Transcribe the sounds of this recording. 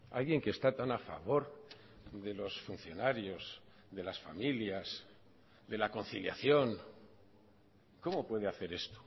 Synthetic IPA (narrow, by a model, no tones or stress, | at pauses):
a̰lɣje̞ŋkest̪at̪anafa̰βo̞ɾ | d̪e̞lo̞sfunθjo̞naɾjo̞z | ðe̞lasfamiljaz | d̪e̞lako̞nθilja̰θjo̞ŋ | ko̞mo̞pwe̞ðe̞aθe̞ɾe̞st̪o̥